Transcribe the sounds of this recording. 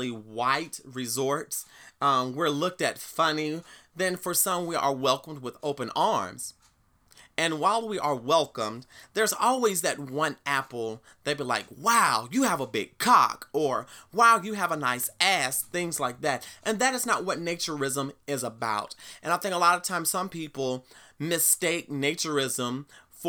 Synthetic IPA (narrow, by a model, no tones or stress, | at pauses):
iwaɪt̚ɹɨzɔɹtsʌ̃mwɪɹlʊk̚tɨtfʌniðɨ̃nfə˞sʌ̃mwiʔə˞wɛlˠkə̃m̩d̚wəðoʊpɨ̃nɑɹmz̥ | ɨ̃nwaɪlˠwiʔə˞wɛlˠkə̃mðə˞zɔlˠwizðɨt̚wʌ̃næpl̩ˠ | ðɨɪt̚bilaɪkwaʊjɨəvəbɪ̰ɡ̚kʰɑ̰kə˞waʊjɨəvənaɪsæsθɪ̃ŋzlaɪk̚ðæt̚ʔɨ̃nðɨɾɨznət̚wʌtⁿneɪt͡ʃə˞ɪzə̃mɪzəbaʊɾʔɨ̃ñaɪθɪ̃ŋkəlɔɾəv̥tʰãɪ̃mz̥sʌ̃mpipl̩ˠmɨsteɪk̚neɪt͡ʃə˞ɪzə̃mf